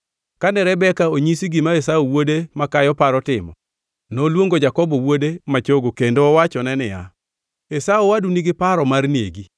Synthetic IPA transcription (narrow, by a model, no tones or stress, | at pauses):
kanɛɾɛbɛkaoɲisiɡimaesaowodemakajɔpaɾɔtɪmɔ̰ | nolwoŋɡod͡ʒakɔbɔwodemat͡ʃoɡokendoːwat͡ʃɔnɛnɪja | esaowaduniɡɪpaɾɔmarnieɡi